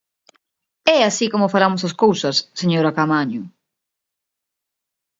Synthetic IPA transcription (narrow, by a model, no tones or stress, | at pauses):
ɛasikomʊfalamʊsaskowsɐsːeɲoɾakamaɲʊ